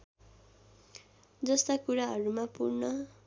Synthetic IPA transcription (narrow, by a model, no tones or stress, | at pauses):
d͡zʌst̪akuɾaɦʌɾumapṵrnʌ